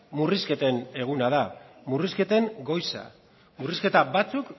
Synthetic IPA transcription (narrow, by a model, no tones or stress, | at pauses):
muriske̞t̪e̞ne̞ɣ̞unaðamuriske̞t̪e̞ŋɡo̞jsa̰ | muriske̞t̪aβat͡suk